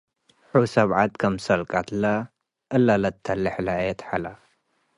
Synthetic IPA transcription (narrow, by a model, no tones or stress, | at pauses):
ħusɐβʕat̪kʰɐmsɐlkʼat̪la | ʔɐlːalɐt̪ʰːɐlɨħlajɛt̪ħala